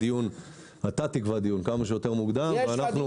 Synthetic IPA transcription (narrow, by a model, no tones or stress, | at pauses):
ijun | at̪at̪ikvad̪ijunkamaʃ̬ejo̞t̪e̞ʁmuɡd̪amveanaχnu